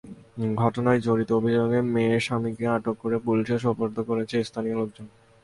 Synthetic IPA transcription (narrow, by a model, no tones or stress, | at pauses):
ɡʱɔʈonajd͡ʑoɾit̪oobʱid͡ʑoɡemeeʃamikeaʈokːoɾepuliʃeʃɔpoɾt̪ʰokoɾet͡ɕʰest̪ʰanioloɡ̚d͡ʑon